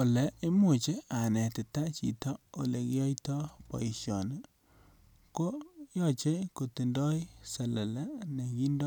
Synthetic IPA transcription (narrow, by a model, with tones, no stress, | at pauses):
o˨lɛ˨i˦mo˨t͡ʃe˦a˨nɛ˨tɪ˨ta˦t͡ʃḭ˨tɔ˦o̰˨le˨kɪ˦jɔ˦itɔ˦pɔ̰˨i˨ʃjɔ˨n˦ | ko˦jɔ˦˨t͡ʃe˦ko˨ti˨ndɔ˦i˦sɛ˨lɛ˨lɛ˦ne˨ki˦ndɔ˦